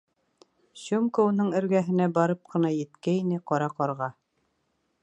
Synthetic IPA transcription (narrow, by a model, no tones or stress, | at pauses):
ɕumkounɤɴɘ̆ɾɡæɦɘ̆næbɑɾɤp̚qɤ̆nɑjɘ̆t̪kæinɘqɑɾɑqɑɾʁɑ